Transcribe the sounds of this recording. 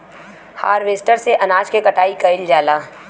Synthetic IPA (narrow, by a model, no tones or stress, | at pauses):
ha̰ːɾʋeːsʈəɾseʔɐnaːt͡ʃkekɐʈaːikɐɪld͡ʒaːlaː